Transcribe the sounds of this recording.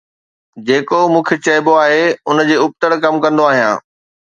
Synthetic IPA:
d͡ʑeːkomũːkʰet͡ɕɐːɪboaːɦeʊnd͡ʑeːʊp̚t̪əɽkɐmkɐ̃nd̪oaːɦijã̰ː

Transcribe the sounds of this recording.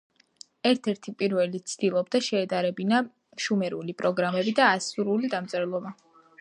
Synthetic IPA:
ɛɾt̪ʰɛɾt̪ʰipʼiɾvɛlit̪sʰd̪̥ilˠɔbd̪aʃɛːd̪aɾɛbina | ʃumɛɾulipʼɾɔɡɾamɛbid̪aːsuɾulid̪amt̪sʼɛɾlˠɔba

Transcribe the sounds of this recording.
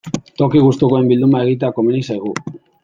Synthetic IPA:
t̪o̞kiɣ̞ust̪ukoe̞mbild̪umaeɣit̪̬eakominisajɣu

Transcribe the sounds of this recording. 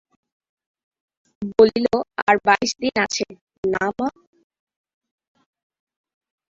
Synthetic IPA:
boliloa̰ɾbaiʃd̪inat͡ɕʰe | nama

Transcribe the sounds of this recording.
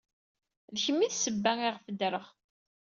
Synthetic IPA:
ðçəmːiðsəbːæŋiʁfəd̪ɾəʁ

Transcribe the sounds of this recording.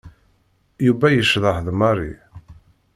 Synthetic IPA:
jubæjəʃðˤəhðmɑɾˤḭ

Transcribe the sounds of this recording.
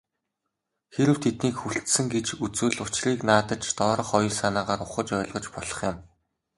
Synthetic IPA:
xeɾɘ̆wt̪ʰet̪niːkxuɬt̪sɘ̆ŋɡet͡ɕut͡sŭːɮʊt͡ɕriːknaːt̪ə̆t͡ɕt̪ɔːɾɞ̆χɔj̆rsanaːʁaːɾʊχə̆t͡ɕɔ̆ːɮʁɞ̆t͡ɕpɔɮɞ̥̆χjʊm

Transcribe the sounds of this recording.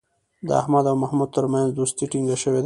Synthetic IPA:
d̪əa̰hmad̪awmahmud̪̚t̪əɾmanzd̪ost̪iʈiŋɡaʃəwed̪

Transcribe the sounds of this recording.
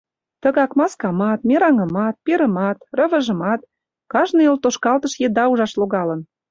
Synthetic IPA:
t̪ə̆ɣɑkmɑskɑmɑt̪̚meɾɑŋə̆mɑt̪̚peɾə̆mɑt̪rə̆βə̆ʒə̆mɑt̪̚ | kɑʒnɤjolt̪oʃkɑlt̪əʃjed̪ɑuʒɑʃloɣɑlə̆n

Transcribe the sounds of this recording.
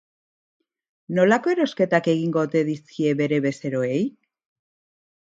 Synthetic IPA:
no̞lako̞e̞ɾo̞ske̞t̪ake̞ɣ̞iŋɡo̞t̪e̞ðiskie̞βe̞ɾe̞βe̞se̞ɾo̞e̞j

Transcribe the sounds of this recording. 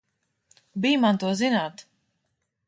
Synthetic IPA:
biːmant̪uɔzinaːt̪

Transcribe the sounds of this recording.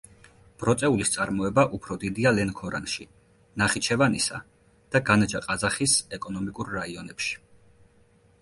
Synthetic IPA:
b̥ɾɔt̪sʼɛulist̪sʼaɾmɔɛbaʔupʰɾɔd̪id̪ialɛnkʰɔɾa̰nʃḭ | naχit͡ʃʰɛvanisa̰ | d̪̥aɡanad͡ʒaqʼazaχisɛkʼɔnɔmikʼuɾːaiɔnɛpʃi̥

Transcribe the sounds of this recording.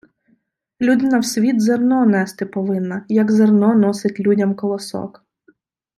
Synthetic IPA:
lʲud̪ɪnɐwsʲʋʲid̪zernɔnɛst̪ɪpɔʋɪnːɐjɐɡzernɔnɔsɪtʲlʲudʲɐmkɔlˠɐsɔ̰k

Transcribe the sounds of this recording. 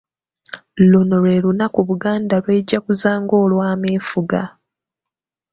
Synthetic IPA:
lunole̞lunakuβuɡaːndalwe̞ːɟːakuzaːŋɡo̞ːlwaːmeːfuɡa

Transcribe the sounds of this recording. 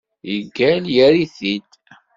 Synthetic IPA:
jəɡːæljæɾiθid̪

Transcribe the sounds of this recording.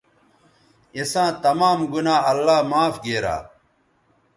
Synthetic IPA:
isãːt̪ɐmaːmɡunaːɐlːaːmaːfɡeːɾa̰ː

